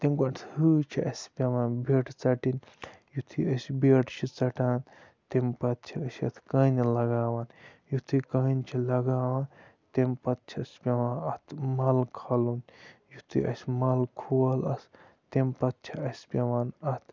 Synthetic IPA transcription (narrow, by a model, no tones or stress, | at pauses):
t̪emkɐnt̪ʰhɨt͡ʃʰiɐsʲpʲɐʋaːnbeːʈʰt͡sɐʈin | jut̪ʰiɐsbeːʈt͡ʃʰit͡sɐʈaːn | t̪empɐt̪̚t͡ʃʰiɐsɐ̰t̪ʰkɐnilɐɡaːʋaːnjut̪ʰikɐnt͡ʃʰilɐɡaːʋaːn | t̪empɐt̪̚t͡ʃʰiɐsʲpʲɐʋãːnɐt̪ʰmɐlkʰɐlunjut̪ʰḭʔɐ̰sʲmɐlkʰuwɐlɐs | t̪empɐt̪̚t͡ʃʰiɐsʲpʲɐʋaːnɐt̪ʰ